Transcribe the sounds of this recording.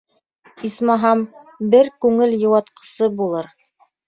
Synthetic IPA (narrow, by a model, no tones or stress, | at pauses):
ismɑɦɑm | bɘɾkʉŋɘljɤ̆wɑt̪qɤ̥̆sɤbulˠɤɾ